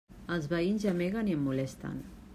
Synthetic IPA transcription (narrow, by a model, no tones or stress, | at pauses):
alzβainzameɣaniemːulest̪a̰n